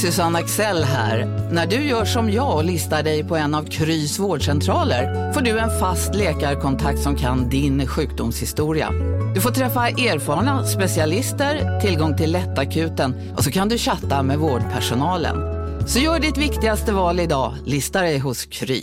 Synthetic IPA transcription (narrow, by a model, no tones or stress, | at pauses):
sɵsanːaksɛlːɦæ̰ːɾnæɖɵjœːʂɔmjɑːɔlɪst̪aɖɛjpʰɔɛnːavkʰɾyːsvoːɖʂɛnt̪ʰɾɑːləɾ | foːɖɵɛnfast̪leːkaɾkʰɔnt̪ʰak̚t̪sɔmkʰa̰nd̪ɪnɧʉ̟ːk̚d̪ʊmshɪst̪uːɾɪa̰d̪ɵfoːʈ̪ʰɾɛfːaʔeːɾfɑːɾɳaspɛsɪalɪst̪əɾt̪ʰɪlɡɔŋːt̪ʰɪlːɛt̪ːakʰʉ̟ːt̪ən | ʔɔsɔkʰand̪ɵɕat̪ːamɛvoːɖpʰæʂʊnɑːlə̰nsɔjœːɖɪt̪vɪkt̪ɪɡast̪əvɑːlɪd̪ɑːlɪst̪aɖɛjɦʊskʰɾy̰ː